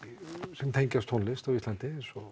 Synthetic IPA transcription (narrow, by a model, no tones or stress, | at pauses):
sɛnt̪ʰeɲcast̪ʰɔnlɪst̪avist̪lant̪ɪsɔ